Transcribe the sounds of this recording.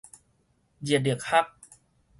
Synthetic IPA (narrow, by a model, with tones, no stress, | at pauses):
d͡ʑi˨˩di˨˩ək̚ha˦˥˩k̚